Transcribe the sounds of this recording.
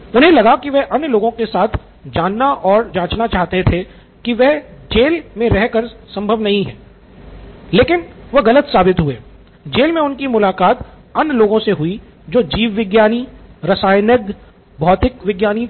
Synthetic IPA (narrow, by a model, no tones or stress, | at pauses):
ʊnɦẽlɐɡakiʋɛɦʔɐnːjloːɡõkesaːt̪ʰ | d͡ʒaːnːaʔɔːɾd͡ʒãːt͡ʃnat͡ʃaːɦt̪et̪ʰe | kiʋɛɦd͡ʒeːlmẽɾɛɦkəɾsɐ̃mbʱəʋnɐɦĩɦɛ̰̃ː | leːkɪnʋɐɣɐlət̪saːbɪt̪ɦueː | d͡ʒeːlmẽʊnkimʊlaːkaːt̪ | ɐnːloːɡõseɦʊi | d͡ʒoːd͡ʒiːʋːɪɡjaːniɾɐsaːjnək | bʱɔːt̪ɪkʋɪɡjaːni